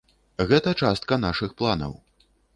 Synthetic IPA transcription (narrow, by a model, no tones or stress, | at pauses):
ɣɛt̪ɐt͡ʂast̪̚kɐnaʂɨxplˠanɐ̰w